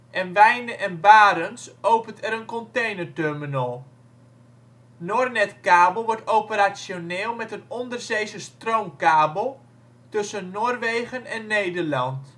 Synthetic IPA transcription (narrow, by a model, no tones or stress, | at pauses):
ʔɛnʋɛjnəʔɛnbaːɾənsowpəntɛɾənkɔntejnətørmənɔlˠ | noːrnɛtkaːbəl̩ˠʋɔɹtowpəɾasjonɪːlˠmɛtənɔndərzejzəstrowmkaːbəlˠ | tɵsənːoːrʋejɣənɛnːejdərlɑnt